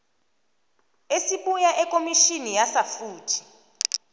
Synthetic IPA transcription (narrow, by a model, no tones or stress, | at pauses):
esiɓujaʔɛkʼomiʃinijasafuːtʰi̥